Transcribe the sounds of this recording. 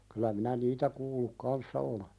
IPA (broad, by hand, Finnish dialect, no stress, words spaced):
kylæ minæ niːtæ kuːlːuk kɑnsːɑ ole